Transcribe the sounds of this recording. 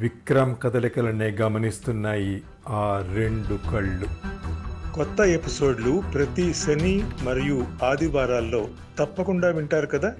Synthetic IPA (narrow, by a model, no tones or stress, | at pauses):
ʋikɾɐmɐkɐd̪ɐlɐkɐlɐneːɡɐmɐnist̪unːaːji | aːɾeɳɖukɐɭːu | kɔt̪ːɐepiso̞ːɖlupɾɐt̪isɐnimɐɾijuaːd̪ʱiʋaːɾaːlːo̞ː | t̪ɐpːɐkuɳɖaːʋiɳʈaːɾukɐd̪aː